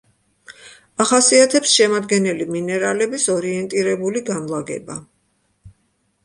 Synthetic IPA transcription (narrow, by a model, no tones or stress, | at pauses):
aχasiat̪ʰɛpsʃɛmad̪ɡɛnɛliminɛɾalɛbisɔɾiɛnt̪ʼiɾɛbuliɡanlˠaɡɛ̰ba